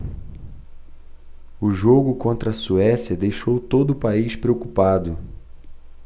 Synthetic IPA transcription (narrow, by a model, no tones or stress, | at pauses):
ʊʒoɡʊkõnt̪ɾɐsuɛsiɐd̪ejʃowt̪od̪ʊːpaiʃpɾeokupad̪ʊ